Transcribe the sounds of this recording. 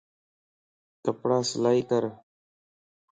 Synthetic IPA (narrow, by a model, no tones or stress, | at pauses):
t̪əpɽaːslaːiːkəɾ